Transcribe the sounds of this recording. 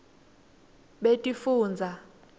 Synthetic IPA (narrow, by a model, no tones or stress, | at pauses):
ɓetʼifuːnd͡zʱa